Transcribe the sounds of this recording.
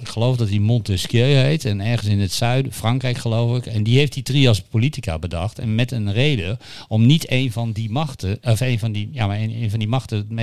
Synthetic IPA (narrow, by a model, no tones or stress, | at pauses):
ɪkχəlowfdɔt̚imɔntəskjøɥɦejtɛnɛɹχənsɪnətsœɥdəfrɑŋkrɛjkχəlowfɪkɛndiɦejftditriɑspolitika̰bədɑχtɛ̰nmɛtənrejdə | ɔmnitejnvɑndimɑtəɔfejnvɑndijamaenejnvɑndimɑxtəme